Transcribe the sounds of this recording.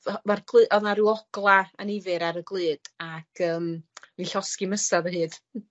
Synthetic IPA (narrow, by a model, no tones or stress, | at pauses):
marɡlˠɨːʔɔðnaɾuːɔɡ̥lˠaənɪvɨɾaɾəɡlˠɨːd̥akʰəːmninɬɔskiməsaðəɦɨːd̥